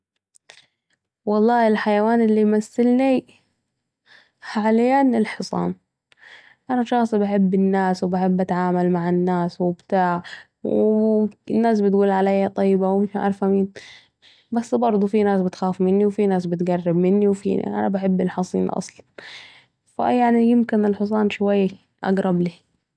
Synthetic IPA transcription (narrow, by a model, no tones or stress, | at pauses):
wɑlˤːɑːɪlħajawaːnɪlːimasːɪlni | haaljanɪlħɨsˤɑ̰ːn | ʔanaʃɑxsˤbaħɪbːɪnːaːswbaħɪbːʔat̪ʕaːmalmaʕɪnːaːswɪbt̪aːʕ | w | nːaːs̬bɪt̪ɡuːlʕalajːat̪ˤɑjːbawmɪʃmaʔɑ̰ɾˤfhamiːn | basːbɑɾˤd̪ˤufinaːsbɪt̪xaːfmɪnːiwfinaːsbɪt̪ɡarːɪbmɪnːiwfḭːn̰ʔa̰nabaħɪbːɪlħɑsˤḭːnʔɑ̰sˤlɑn | fa̰jaʕnijɪmkɪnɪlħɨs̬ˤɑːnʃwajː | ʔa̰ɡɾˤɑbliː